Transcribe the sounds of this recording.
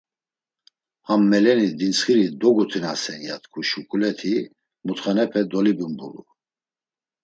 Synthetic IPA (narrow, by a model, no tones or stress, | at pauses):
hamːɛlɛnid̪int͡sχiɾid̪ɔɡut̪ʰinasɛnjat̪ʰkʰuʃukʼulɛt̪ʰi | mut̪χanɛpʰɛd̪ɔlibumbulṵ